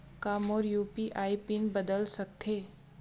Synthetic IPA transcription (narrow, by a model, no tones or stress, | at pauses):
kaːmɔːɾjuːpiʔaːipinbəd̪əlsɐk̚t̪ʰeː